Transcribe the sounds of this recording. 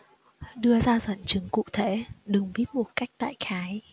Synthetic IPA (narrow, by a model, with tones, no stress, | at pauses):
ɗɨ˧əzaː˧zə̰˧˨nt͡ɕɨ˨˦ŋkṵ˧˨t̪ʰe˧˩ɗɨ˨˩˦ŋɓi˦˥ət̚mo˨˩t̚ka˦˥jk̚t̪a̰ː˧˨jxaː˨˦j